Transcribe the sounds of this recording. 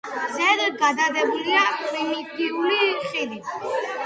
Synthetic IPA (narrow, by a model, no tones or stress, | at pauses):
zɛd̪ɡad̪ad̪ɛbuliapʰʼɾimit̪iuliχid̪i